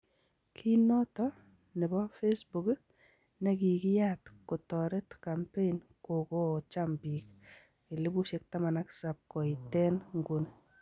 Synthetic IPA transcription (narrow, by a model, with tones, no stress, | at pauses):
kʰi˦nɔ˦tɔ˦ | nɪ˨bɔ˦fe˦sbu˨k | nɛ˦ki˨kɪ˦ja˦tko˨tɔ˨ɾɛ˦tka˨mpe˦in | ko˨ko˦˨t͡ʃa˦mbi˨k | ɪ˨lɪ˦bu˦ʃe˦k̚ta˦ma˨na˦ksap̚kɔ˨ɪ˨tɛ˦nŋɡu˦n